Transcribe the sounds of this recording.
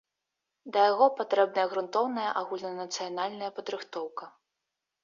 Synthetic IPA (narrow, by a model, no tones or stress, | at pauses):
d̪ɐjaɣɔpat̪ɾɛb̚nɐjɐɣɾunt̪ɔwnɐjɐʔaɣulʲnɐnɐt̪sɨjanalʲnɐjɐpɐd̪ɾɨxt̪ɔwkɐ